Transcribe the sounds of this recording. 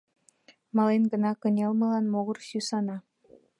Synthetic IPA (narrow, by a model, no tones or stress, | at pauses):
mɑlenɡə̆nɑkɤ̆nʲelˠmɤ̆lɑnmoɣɤ̆rsysɑnɑ